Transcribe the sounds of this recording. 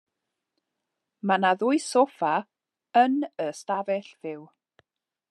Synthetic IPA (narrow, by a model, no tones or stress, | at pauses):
manaðʊɨsofa | ənəstavɛɬv̥ɪw